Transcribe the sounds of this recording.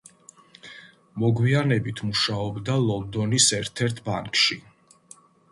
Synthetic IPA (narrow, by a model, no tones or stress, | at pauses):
mɔɡwianɛbit̪ʰmuʃaɔbd̪alˠɔld̪ɔnisɛɾt̪ʰɛɾt̪ʰba̰ŋkʃi